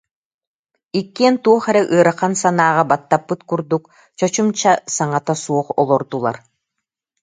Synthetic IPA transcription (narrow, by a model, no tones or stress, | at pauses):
ikːiɛnt̪uɔχɛɾɛʔɯːɾaχansanaːʁabat̪ːapːɯt̪kuɾd̪uk | t͡ɕɔt͡ɕumt͡ɕasaŋat̪asuɔχɔ̰lˠɔɾd̪ulˠa̰ɾ